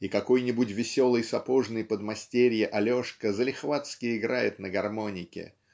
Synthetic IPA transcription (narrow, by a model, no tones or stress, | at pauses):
ikɐko̞jnʲɪbʊtʲvʲɪsʲo̞lˠɨjsɐpoʐnɨjpəd̪mɐsʲtʲeɾʲjɪʔɐlʲo̞ʂkəzəlʲɪxvat̪skʲɪɪɡɾajɪt̪nəɡɐrmo̞nʲɪkʲɪ̰